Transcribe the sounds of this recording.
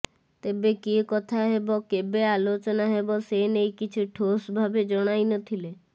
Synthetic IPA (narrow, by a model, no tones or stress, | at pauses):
t̪ebekikɔt̪ʰaɦebɔkebealot͡ʃɔnaɦebɔsenejkit͡ʃʰiʈʰosbʱabed͡ʒɔɽ̃ajnɔt̪ʰile